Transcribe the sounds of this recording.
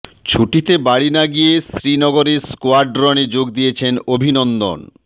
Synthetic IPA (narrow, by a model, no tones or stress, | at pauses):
t͡ɕʰuʈit̪ebaɽinaɡijesɾinɔɡoɾeskoaɾɖɾɔned͡ʑoɡd̪ijet͡ɕʰenobʱinɔnd̪o̰n